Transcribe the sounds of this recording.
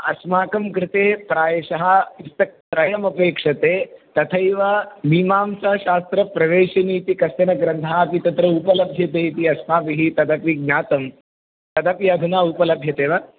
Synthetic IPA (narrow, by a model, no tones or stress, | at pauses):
ɐ̰smaːkɐmkɾɪt̪eːpɾaːjɐʃɐɦɐ̆ist̪ɐk̚t̪ɾɐjɐmɐpeːkʂɐt̪eːt̪ɐt̪ʰɐjʋɐmiːmaːmsɐɐʃaːst̪ɾɐpɾɐʋeːʃɐniːt̪ikɐsɐnɐɡɾɐnd̪ʰʱaːɐpit̪ɐt̪ɾɐupɐlɐbʱjɐt̪eːjt̪iɐsmaːpiɦit̪ɐd̪ɐpiɡ̚ɲaːt̪ɐm | t̪ɐd̪ɐpjɐd̪ʱunaːupɐlɐbʱjɐt̪eːʋɐ